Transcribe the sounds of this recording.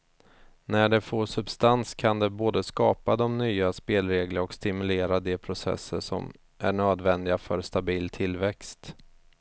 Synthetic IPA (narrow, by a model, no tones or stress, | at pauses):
næɖɛfoːʂɵbst̪anskʰand̪ɛboːd̪əskɑːpad̪ɔmnyːaspeːlɾeːɡləɾɔkst̪ɪmɵleːɾad̪ɛpʰɾʊsɛ̰sːə̰ʂɔ̰m | ʔæɳøːd̪vɛnd̪ɪɡafœɾst̪abiːlt̪ʰɪlːvɛkst̪